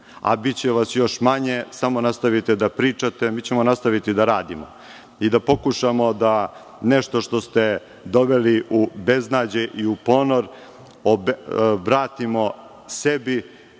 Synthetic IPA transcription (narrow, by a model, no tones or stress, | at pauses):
a̰bit͡ɕeʋasjo̞ʃmaɲesamo̞nast̪aʋit̪ed̪apɾiːt͡ʂat̪emiːt͡ɕe̞monast̪aʋit̪id̪aɾaːd̪imo̰ | id̪apo̞kuʃamo̞d̪a | neʃt̪o̞ʃt̪ost̪e | d̪o̞ʋeliube̞znaːd͡ʑeʔiupo̞noɾ | obʋɾaːt̪imo̞ | sebi